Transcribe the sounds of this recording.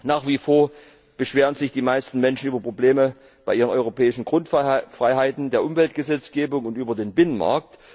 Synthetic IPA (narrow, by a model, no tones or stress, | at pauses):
naːχv̥iːfoːɐ | b̥əʃv̥eːʁ̞ənzɪçd̥iːmaɪstn̩mɛnʃn̩yːbɐpʁ̥obleːmə | b̥aɪʔiːʁ̞ənɔʏʁopɛːɪʃn̩ɡ̥ʁʊntfʁ̥aɪɦaɪtn̩deːɐʔʊmvɛltɡ̥əzɛt͡sɡ̥eːbʊŋʊntʔyːbɐdeːnbɪnənma̰ɐk̚t